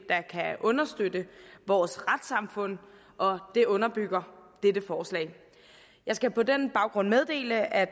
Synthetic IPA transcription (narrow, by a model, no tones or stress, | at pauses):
d̥ɑ̈kʰæʔɔ̽nɐsd̥ød̥əʋɒːsʁad̥sɑ̈mfɔ̽n̰ | ʔɒ̽d̥e̝ʔɔ̽nɐb̥yɡ̥ɐd̥ed̥əfɒːslɛ̰ːɪ | jɑ̈ɪsɡ̥æpʰɒ̽denb̥ɑ̈ʊɡ̥ʁɔ̽n̰með̞ˠd̥e̝̰ːləæ